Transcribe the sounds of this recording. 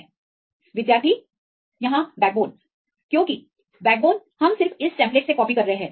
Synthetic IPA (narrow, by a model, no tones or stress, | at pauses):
ʋɪd̪jaːɾt̪ʰi | jɐɦãbɛːk̚boːn | kjõːki | bɛːk̚boːnhɐmsɪɾfɪsʈɛ̃ːmpleːʈsekɔːpikɐɾːɐɦeɦɛ̃ː